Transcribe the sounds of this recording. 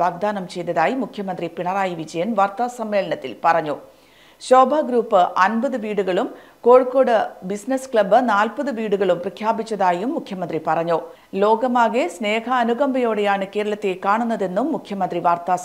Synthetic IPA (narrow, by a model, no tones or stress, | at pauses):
ʋaːɡ̚d̪aːnɐmt͡ɕe̞jd̪ɐðaːjimukʰjɐmɐnd̪ripiɳɐraːjiʋid͡ʑɐjɐnʋɐrt̪asɐmːe̞ːlɐɳɐt̪ːilpɐrɐɲːo | ɕo̞ːbʱaɡɾuːpːɨʔɐnbɐðɨʋiːɽuɣɐɭum | koːɻko̞ːɽɨbisnɐskɭɐbɨnaːlpɐðɨʋiːɽuɣɐɭumprɐkʰjaːbit͡ɕːɐðaːjumːukʰjɐmɐnd̪ripɐrɐɲːoː | lo̞ːɡɐmaːɣesne̞ːhɐːnuɣɐmbɐjo̞ːɽejaːɳɨke̞ːɾɐɭɐt̪ːekaːɳunːɐðe̞nːumːukʰjɐmɐnd̪riʋaːrt̪a